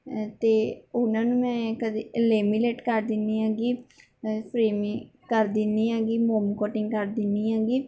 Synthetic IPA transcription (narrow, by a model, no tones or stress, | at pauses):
t̪eːʊnãːnũːmɛ̃ːkəd̪eːəleːmileːʈkəɾd̪ɪnːiːaːɡiː | pɾiːm | kəɾd̪ɪniːaːɡiːmoːmkoːʈɪŋɡkəɾd̪ɪnːiːɦaːɡiː